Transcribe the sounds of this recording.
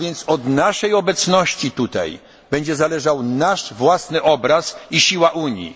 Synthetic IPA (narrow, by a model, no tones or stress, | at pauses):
vjɛnt̪sɔd̪naʂɛjɔbɛt̪snɔɕt͡ɕit̪ut̪a̰j | b̥ɛɲd͡ʑɛzalɛʐawnaʂvwasnɘʔɔbɾasiɕiwaʔuɲjḭ